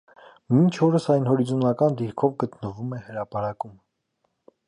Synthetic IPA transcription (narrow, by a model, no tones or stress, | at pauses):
mint͡ʃʰɔɾəsɑjnhɔɾizunɑkɑnd̪iɾkʰɔvɡət̪nəvumɛhəɾɑpɑɾɑkum